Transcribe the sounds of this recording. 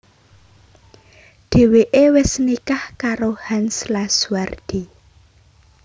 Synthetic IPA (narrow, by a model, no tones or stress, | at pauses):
ɖ̪̥e̤weʔewɪsnikahkaɾohanslasward̪̥i